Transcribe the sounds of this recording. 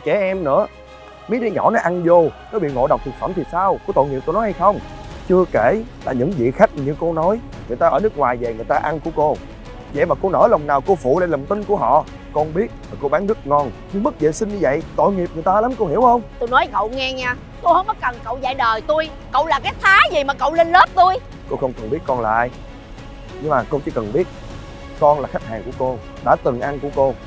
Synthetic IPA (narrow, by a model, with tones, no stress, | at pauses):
t͡ɕɛ˧˨˩ʔɛ˧mnɨ̰˧˥ə | mə˨˦jɗi˧ɲɔ̰˧˩˦nɔ˨˦ʔa˧nzo˧kɔ˨˦ɓḭ˧˨ŋo̰˧˨ɗwk͡p̚t̪ʰk̚fə̰˧˩mt̪ʰi˨˩saː˧wko˧˦t̪o̰˧˨jŋi˨˩p̚t̪o˧nɔ˨˦jha˧jxə˧wŋ͡mt͡ɕɨ˧əke˧˩la̰ː˨˩ɲɨ̰˧˥ŋvḭ˧˨xa˦˥jk̚ɲɨ˧ko˧nɔ˨˦j | ŋɨ˨˩əjt̪aː˧ʔəː˧˩˦nɨ˦˥ək̚ŋwaː˨˩jve˨˩ŋɨ˨˩əjt̪aː˧ʔa˧nku˧˩əko˧ | zə̰˧˨jmaː˨˩ko˧nəː˧˩lə˨˩wŋ͡mnaː˨˩wko˧fṵ˧˨la̰ː˧˨lə˨˩ŋ͡mt̪ï˧ŋku˧˩əɦɔ̰˧˨ | kɔ˧nɓi˦˥ət̚vaː˨˩ko˧ɓaː˨˦nɨ˦˥k̚ŋɔ˧˩nɲɨ˧ŋmɨ˦˥t̚zḛ˧˨si˧ŋɲɨ˧və̰˧˨jt̪o̰˧˨jŋi˨˩p̚ŋ˨˩jt̪aː˧la˨˦mko˧hi˧˩əwxə˧wŋ͡mt̪u˧jnɔ˨˦jkə̰˧˨wŋɛ˧ɲaː˧ | ko˧həː˨˧˦nməː˨˦jkə˨˩nkə̰˧˨wza̰ː˧˨jɗəː˨˩jt̪u˧j | kə̰˧˨wlaː˨˩kaː˨˦jt̪ʰaː˨˦zi˨˩maː˨˩kə̰˧˨wle˧nləː˦˥p̚t̪u˧j | ko˧xə˧wŋ͡mkɨ˨˩nɓi˦˥ət̚kɔ˧nlaː˨˩ʔaː˧j | ɲɨ˧ŋmaː˨˩ko˧t͡ɕi˧˦kə˨˩nɓi˦˥ət̚ | kɔ˧nlaː˨˩xa˦˥jk̚haː˨˩ŋku˧˩əko˧ | ɗa̰ː˧˥t̪ɨ˨˩ŋʔa˧nku˧˩əko˧